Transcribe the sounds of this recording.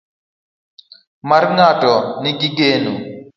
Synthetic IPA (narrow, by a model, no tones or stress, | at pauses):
mɐɾŋaːʈɔniɡiɡeːnu